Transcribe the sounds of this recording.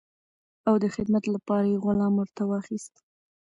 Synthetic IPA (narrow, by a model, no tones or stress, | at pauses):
awd̪əxɪd̪mat̪lapɑɾajeɣʊlɑmwəɾt̪awɑxist̪